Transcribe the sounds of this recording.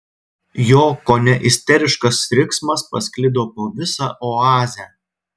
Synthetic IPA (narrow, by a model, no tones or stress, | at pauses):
joːkoːnʲɛʔɪsʲt̪ʲɛɾʲɪʃkɐsɾʲɪksmɐspɐsʲkʲlʲɪd̪oːpoːʋʲɪsɑːʔoɑːzʲæ